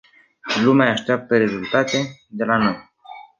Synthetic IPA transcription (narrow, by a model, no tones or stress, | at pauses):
lumeaːʃt̪eap̚t̪əɾe̞zult̪at̪e̞d̪e̞lano̞j